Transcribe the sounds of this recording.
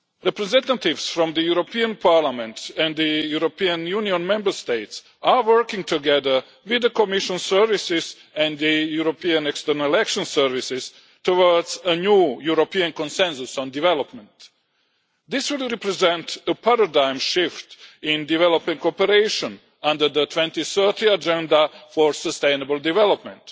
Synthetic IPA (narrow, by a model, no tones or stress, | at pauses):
ɾɛpɾɛzɛ̃nt̪at̪ɪvsfɾɔ̃md̪əjuɾopiãnpʰaɾlamɛ̃nt̪ɛ̃nd̪d̪əjuɾopiãnjuniõnmɛ̃mbəst̪eɪt̪s | awə˞kɪ̃ŋ̚t̪uɡɛðə˞ | wɪd̪əkomiʃɔ̃nsəɹvɪsɪz | ɛ̃nd̪dəjuɾopiãnɛkst̪ənalɛkʃɔ̃nsəɾvɪsɪz̥ | t̪owɔɹdzənjuːjuɾopiãnkɔ̃nsɛ̃nsusɔ̃ndivɛlɔpmɛ̃nt | d̪ɪswɪlˠɾɛpɾɛzɛ̃nt̪əpaɾadãɪ̃mʃɪftɪ̃ndivɛlopĩŋkopəɾeɪʃɔ̃n | ãnd̪ə˞d̪ət̪ʰwɛ̃nt̪iθɜ˞t̪ʰiad͡ʒɛ̃ndafɔɹsəst̪ẽɪnəbəlˠd̪ivɛlopmɛ̰̃nt